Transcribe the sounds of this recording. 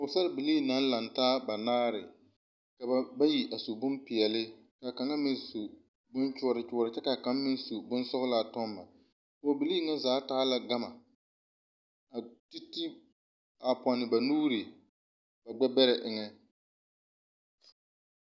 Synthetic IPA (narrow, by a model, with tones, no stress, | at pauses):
ʊ˨sa˦ɾbɪ˨liː˦˨na˦n˦la˨ntaː˦ba˨naː˦ɾɪ˨ | ka˨ba˦ba˦ji˨ʔa˨su˨bʊ˦mpɪ˨ɛ˨lɪ˦ | ka˨ka˨ŋa˦mɪ˦n˦su˨ | bʊ˦nt͡ʃʊ˦˨ɾɪ˨t͡ʃʊ˦ɔ˦˨ɾɪ˨t͡ʃɛ˦ka˨ka˨˦mmɪ˦n˦su˨bʊ˦n˦sʊ˦ɣʊ˦la˦˨tɔ˦mːa˨ | kʊ˨bɪ˨liː˦ŋa˦zaː˨˦taː˦la˦ɡa˦ma˨ | a˨ti˦ti˦ | a˨pa˨nɪ˨ba˨nuː˦ɾi˨ | ba˨ɡ͡bɛ˦bɛ˦ɾɛ˨ʔɪ˨ŋɛ˦